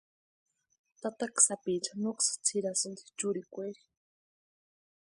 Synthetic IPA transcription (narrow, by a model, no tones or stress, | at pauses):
t̪at̪aksapit͡ʃanoksḁt͡sʰiɾasɨnd̪i̥t͡ʃuɾikʷeɾi